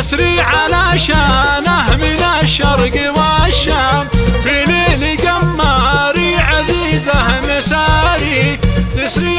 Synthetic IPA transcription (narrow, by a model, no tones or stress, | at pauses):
sɾiʕalaʃanaɦmɪnaʃɑɾˤɡɪwaʃafileːliɡamːaɾiʕaziːzahmesaɾit̪ɪsɾi